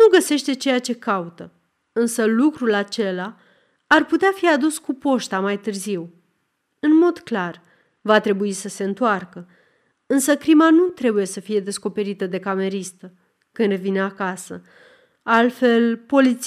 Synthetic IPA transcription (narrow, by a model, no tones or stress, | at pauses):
nuɡəse̞ʃt̪e̞t͡ʃe̞jat͡ʃe̞kaut̪ə | ɨnsəlukɾulat͡ʃe̞laː | rput̪eafiad̪uskupo̞ʃt̪amajt̪ɨrziw | ɨnmo̞d̪klar | vat̪ɾe̞buisəse̞ɨnt̪oarkə | ɨnsəkɾimanut̪ɾe̞buje̞səfije̞d̪e̞sko̞pe̞ɾit̪əd̪e̞kame̞ɾist̪ə | kɨnd̪ɾe̞vineakasə | alt̪fe̞lpo̞lit̪s